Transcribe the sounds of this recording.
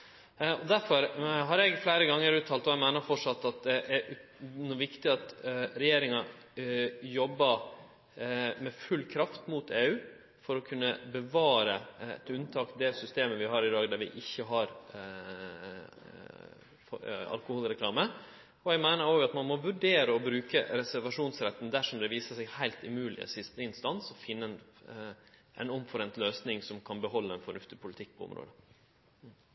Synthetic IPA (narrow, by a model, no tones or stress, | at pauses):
ɔd̪æɾfɔɾɦɑɾɛɡflæɪɾəɡɑŋːəɾʉːt̪ʰːɑːlt̪ɔɛɡmæɪnəɾfɔʂɑt̪ːɑt̪̚d̪ɛʔæɾnuːʋɪkt̪ɪɑt̪ɾɛjeːɾɪŋɑ | jɔbːɑ | mɛfʉlːkʰɾɑft̪muːt̪ʰeːʉː | fɔɾɔkʰʉnːəbəʋɑːɾəɛ̰t̪ʉnt̪ʰɑːkd̪ɛsʏst̪eːməʋɪɦɑːɾɪd̪ɑːɡd̪æɾʋɪ̰ʔɪçːəɦɑɾ | fɑ̰lkʊhuːlɾɛklɑːmə | ɔæɡmæɪnəɾoːɡɑt̪mɑnmɔʋʉɖeːɾəɔbɾʉːkəɾɛsæɾʋɑʂuːnsɾɛt̪ːn̩d̪æʂɔmd̪ɛʋiːsəʂɛɡhæɪlt̪ɪmʉːlɪ̰ə̰sɪst̪əɪnst̪ɑnsɔfɪnːən | ʔɛ̰nɔmfɔɾɛnt̪løːsnɪŋsɔmkʰɑnbəɦɔlːəɛnfɔɳʉft̪ɪpʰʊlɪt̪ʰɪk̚ːpʰɔʊ̰mɾo̰ːd̪ə